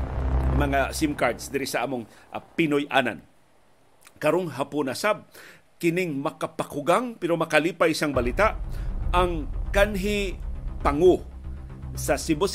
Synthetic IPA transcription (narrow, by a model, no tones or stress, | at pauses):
mɐŋasɪmkaɹd̪sd̪ɪɾɪsaʔaːmoŋpɪnojʔa̰na̰n | kɐɾoŋɦapʊnasab̚ | kɪnɪŋmɐkapakʊɡaŋpɛɾomɐkaliːpajsaŋbɐlɪt̪aʔaŋkanɦɪpaŋo | sɐsɪbos